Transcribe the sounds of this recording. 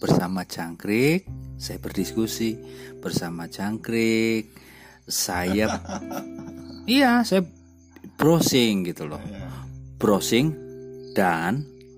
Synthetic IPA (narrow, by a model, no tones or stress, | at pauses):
b̥ərsamḁd͡ʒaŋkɾɪk̚sajab̥ərdiskusib̥ərsamḁd͡ʒaŋkɾɪk̚ | sajə | ijasaja | b̥ɾosɪŋɡit̪ulɔ̰hb̥ɾosɪŋd̥an